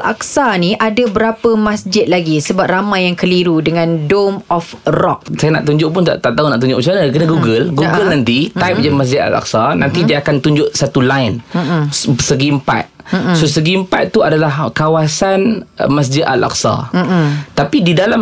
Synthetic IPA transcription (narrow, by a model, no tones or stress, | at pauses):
la̰k̚saniʔadabəɾapəmãsd͡ʒɪt̪̚laɡisəbap̚ramajːaŋkəliɾudəŋãndomɔfrɔk̚sajana̰ʔt̪uɲd͡ʒʊʔpʊnt̪a̰ʔt̪aʔt̪aunaʔt̪uɲd͡ʒʊʔt͡ʃanakənaɡuɡəlɡuɡəlnãnt̪it̪ajp̚d͡ʒamas̬d͡ʒɪt̪a̰la̰k̚sana̰nt̪idiaːkant̪uɲd͡ʒʊʔsat̪ulajn̩ | səɡiəmpa̰t̪̚sosəɡimpa̰t̪̚t̪ːuadalahkawasanmas̬d͡ʒɪd̪a̰la̰k̚sa̰ | t̪apididalam